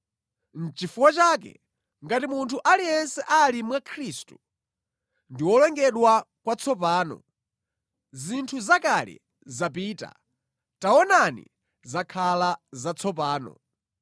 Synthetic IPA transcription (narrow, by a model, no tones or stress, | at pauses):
n̩t͡ʃifuwat͡ʃaːkɛ̰ | ŋɡatimuntʰuʔalijɛnsɛʔalimwakʰɾistu | ndiwɔlɛŋɡɛɗwa | kwat͡sʰɔpaːnɔ̰ | zintʰuzakalɛ̰ | zap̬iːta̰ | taɔnanḭ | zakʰalazat͡sʰɔp̬aːnɔ̰